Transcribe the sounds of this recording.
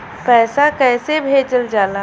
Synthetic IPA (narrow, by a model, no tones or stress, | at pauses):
pɛːsakɛːsebʱeːd͡ʒəld͡ʒaːla